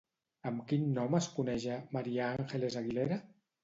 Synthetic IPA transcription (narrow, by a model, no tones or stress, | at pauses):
əmkinːɔməskunɛʒamaɾiaaŋxelezaɣileɾa